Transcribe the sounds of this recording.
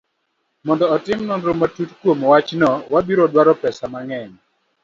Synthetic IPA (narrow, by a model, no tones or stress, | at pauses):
mɔndɔːtɪmnɔndɾomatutkwomwat͡ʃnɔwabiɾɔdwaɾɔpɛsamaŋɛɲ